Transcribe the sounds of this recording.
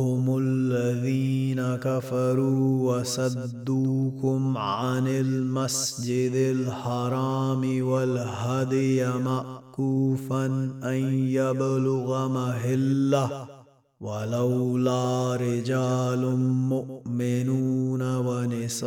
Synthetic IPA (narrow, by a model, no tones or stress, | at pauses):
hʊmʊlːaðiːnakafaɾuːwasad̪ːuːkʊmʕanɪlmasd͡ʒɪd̪ɪlħɑɾˤɑːmɪwalhad̪ɪjamaʔkuːfanʔanjablʊɣamaɦɪlːa | walawlaːɾɪd͡ʒaːlʊnmʊʔmɪnuːnawanɪs